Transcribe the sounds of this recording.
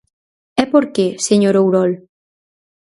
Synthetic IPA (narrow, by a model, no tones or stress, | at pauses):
ɛpoɾkeseɲoɾowɾɔl